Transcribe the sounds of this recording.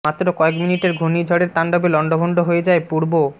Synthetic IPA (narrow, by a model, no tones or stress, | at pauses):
at̪ːɾokɔekminiʈeɾɡʱonid͡ʑʱɔɽeɾt̪anɖɔbelɔɳɖobʱoɳɖoɦoed͡ʑaepuɾbo